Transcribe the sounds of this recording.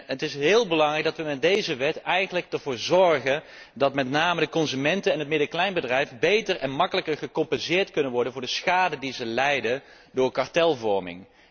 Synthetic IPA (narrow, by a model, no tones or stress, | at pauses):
ətɪsɦɪːlˠbəlɑŋrɛjkɡdɑtʋəmɛt̚dejzəʋɛtɛjχənlək̚əɹvʊːɹzɔɹχən | dɑtmɛtnaːmədəkɔnzymɛntəɛnɦət̚mɪdəɹklɛjnbədrɛjfbejtəɹɛnmɑkələkəɹχəkɔmpɛnzɪːɹtkɵnənʋɔɹdənvʊːɹdəsχaːdədizəlɛjdən | dʊːɹkɑɹtɛlˠvɔɹmɪ̰ŋ